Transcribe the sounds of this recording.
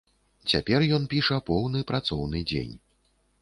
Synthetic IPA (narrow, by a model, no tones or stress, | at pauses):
t͡sʲa̰pʲɛrjɔnpʲiʂɐpɔwnɨpɾat̪sɔwn̪ɨd͡zʲḛnʲ